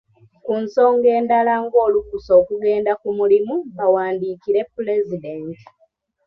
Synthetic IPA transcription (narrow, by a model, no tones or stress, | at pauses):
kunso̞ːŋɡe̞ːndalaŋɡo̞ːlukuso̞ːkuɡe̞ːndakumulimuβawaːndiːkiɾe̞pːule̞zide̞nti̥